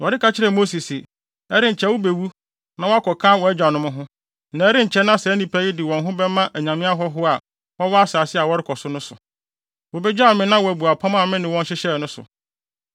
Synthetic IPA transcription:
wɔ˨dɪ˦kʰa˨t͡ɕʰɪ˦ɾɛ˨mo˦si˨si˨ | ɛ˦ɾɪ̃˦ɲ̩˨t͡ɕʰɛ˦wʊ˦be˨wu˦ | nã˦wɔ˦a˦kʰɔ˨kʰã˦wɔ˨˦æ˦d͡ʑᶣa˨nʊ̃˦mʊ̃˦ɦʊ̃˦ | nã˨˦ɾɪ̃˦ɲ̩˨t͡ɕʰɛ˦nã˦sɛ˨˦nĩ˨pʰæ˦ji˦dɪ˨wɔ̃˨nɦʊ̃˦bɛ˦mã˦ʔæ˨ɲã˨mɪ̃˦a˦ɦɔ˦ɦʊ˦a˨ | wɔ̃˦wa˦a˦saː˨sɪ˦a˨wɔ˦ɾɪ˦kʰɔ˨sʊ˦nʊ̃˦sʊ̰˨ | wo˨bɛ˦d͡ʑa˦˨mɪ̃˦nã˦wɔ˨æ˨bu˨a˨pʰã˦mã˦˨mɪ̃˦nɪ̃˨wɔ̃˦n˦ɕɪ˦ɕɛ˦˨nʊ̃˦sʊ̰˨

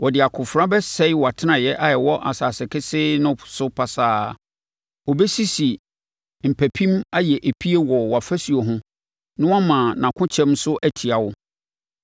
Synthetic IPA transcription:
wɔ˨dɪ˨a˨kʰʊ̃˨fɾã˦bɛ˦sɛ˦ɪ˦wɔ˨a˨tʰɪ˦nã˨jɛ˦ʔa˦jɛ˨wɔ˦ʔa˨saː˨sɪ˨kʰɪ˦sɪ˦nʊ̃˦sʊ˦pʰa˨saː˦ | wɔ˨bɛ˦si˦si˨ | m̩˨pʰæ˨pʰĩ˦ma˦jɛ˨ʔæ˨pʰi˦e˦wɔ˨wɔ˨a˨fæ˦si˨o˨ɦʊ̃˦ | nʊ̃˦wa˦mãː˨nã˨kʰʊ̃˦t͡ɕʰɛ̃˦msʊ˦ʔæ˦tʰi˨a˨wʊ˦

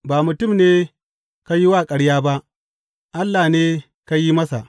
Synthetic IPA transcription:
baː˨mʊ˨tʊ˦˨mneː˦ | ka˦ji˦waː˦˨kʼɐ˨ɽjaː˦ba˦ʔ | ʔa˦lːaː˨neː˦ | ka˦ji˦mɐ˦sa˨ʔ

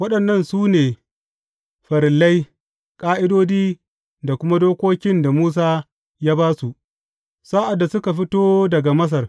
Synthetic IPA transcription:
wɐ˦ɗɐ˨nːɐ˦˨nsuː˦neː˨ | ɸɐ˨ɾɪ˨lːa˦j | kʼaː˦ʔɪ˦doː˦diː˦ | da˨kʷʊ˦ma˦doː˦kʷoː˦kʲɪ˦nda˨muː˦s̬aː˦ | jaː˦baː˦su˨ʔ | sa˦ʔa˨dːa˨sʊ˦ka˨ɸɪ˦toː˦dɐ˨ɡa˨mɐ˦s̬ɐ˨r

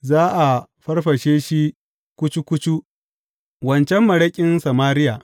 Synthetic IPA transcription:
zaː˦ʔa˨ɸɐ˦rɸɐ˨ʃeː˦ʃi˦ | kʷʊ˦t͡ʃu˦kʷʊ˦t͡ʃu˦ | wɐ˨nt͡ʃɛ˦mːɐ˨ɽɐ˦kʲʼɪ˦nsɐ˨maː˦ɾɪ˦ja˨

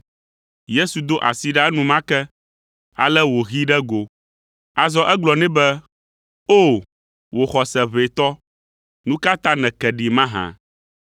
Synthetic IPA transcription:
je˦su˨d̪o˦ʔa̰˨si˨ɖa˦nũ˨mã˦kɛ˦ | a̰˨lɛ˦wo˨ɣi˦ɖɛ˦ɡo˨ | a˨zɔ˦ʔɛ˦ɡ͡blɔ˨nɛ̃˦bɛ˦ | o˦˨ | wo˨xɔ˨sɛ˨βe˨t̪ɔ˦ | nũ˦ka˦t̪ã˦nɛ̃˨kɛ˨ɖi˨mã˦ɦã̰˨

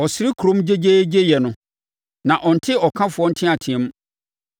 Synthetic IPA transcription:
ɔ˨sɪ˦ɾɪ˦kʰu˨ɾõ˦md͡ʑe˦d͡ʑe˦d͡ʑe˦jɛ˨nʊ̃˨˦ | nã˨ʔɔ̃˨n̩˨tʰɪ˦ɔ˨kʰã˦fʊ˨ɔ˦n̩˦tʰɪ̃˦a˨tʰɪ̃˨ɛ̃˦m˦

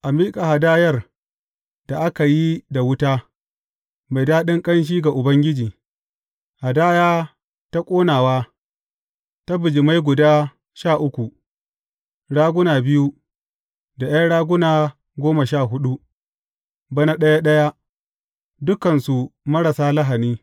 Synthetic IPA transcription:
ʔa˨miː˦kʼa˨ha˨daː˦jɐ˦r | d̥a˨ʔa˦ka˨ji˦da˨wʊ˦taː˦ | ma˨jdaː˦ɗɪ˦ŋkʼɐ˦nʃ̬iː˦ɡa˨ʔʊ˨bɐ˦ŋɡʲɪ˦d͡ʒiː˨ | ha˨daː˦jaː˦ | ta˦kʷʼoː˦naː˨waː˦ | ta˦bʊ˨d͡ʒɪ˨ma˦jɡʷʊ˨daː˦ | ʃaː˦˨ʔʊ˦kʷu˨ | ɽaː˦ɡʷʊ˦naː˨bɪ˦ju˦ | da˨ja˦ɽaː˦ɡʷʊ˦naː˨ | ɡʷoː˦ma˨ʃaː˦˨ɦʊ˦ɗu˦ | bɐ˦na˦ɗɐ˦ja˦ɗɐ˦ja˦ | dʊ˦kɐ˨nsu˨mɐ˦ɽɐ˨saː˦la˦ɦa˨niː˦

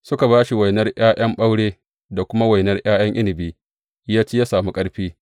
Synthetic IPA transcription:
sʊ˦ka˨βaː˦ʃi˨wa˨jnɐ˦rj̰aː˦j̰ɐ˦mɓa˦wɽeː˦ | da˨kʷʊ˦ma˦wa˨jnɐ˦rj̰aː˦j̰ɐ˦ŋʔɪ˦lɪ˨biː˦ | jaː˦t͡ʃeː˦jaː˦saː˨mu˦kʼɐ˦ɽɸiː˦

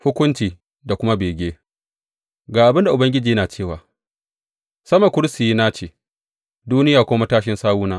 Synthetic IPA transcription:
hʊ˦kʷʊ˦nt͡ʃiː˨ | da˨kʷʊ˦ma˦beː˨ɡʲeː˦ | ɡaː˨ʔa˨bɪ˦nda˨ʔʊ˨bɐ˦ŋɡʲɪ˦d͡ʒiː˨jɐ˦naː˨t͡ʃeː˦˨waː˨ | sɐ˦ma˨kʷʊ˦ɽɪ˦sɪ˨ji˦naː˦t͡ʃeː˦˨ | duː˦nɪ˦jaː˨kʷʊː˦ma˦taː˦ʃɪ˦nsaː˦wuː˦naː˦

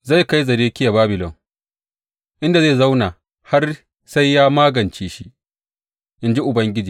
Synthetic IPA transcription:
za˦˨jka˦jzɐ˨ɾeː˦kʲɪ˦ja˨baː˦bɪ˨lɔ˨ŋ | ʔɪ˦nda˨zeː˦˨za˦wna˨ | ha˦r | sa˦jːaː˦maː˦ɡɐ˨nt͡ʃiː˦ʃi˦ | ʔɪ˦nd͡ʒi˦ʔʊ˨bɐ˦ŋɡʲɪ˦d͡ʒiː˨

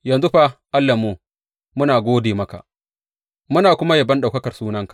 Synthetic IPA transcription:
jɐ˨nzu˦ɸa˦ʔa˦lːɐ˨moː˦ | mʊ˦naː˨ɡʷoː˦deː˨mɐ˦ka̰˨ʔ | mʊ˦naː˨kʷʊ˦ma˦ja˨bɐ˦nɗa˨wkɐ˦kɐ˨rsuː˦nɐ˦ŋkḁ˨

